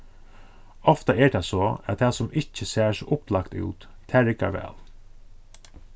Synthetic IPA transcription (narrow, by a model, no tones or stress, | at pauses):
ɔft̪aɛɹt̪ʰasɔæ̰t̪ʰaːsʊmɪht͡ʃːəsæːsʔʊplakt̪ʉ̰ːt̪t̪ʰːæːɾɪka̰ʋɛ̰ːl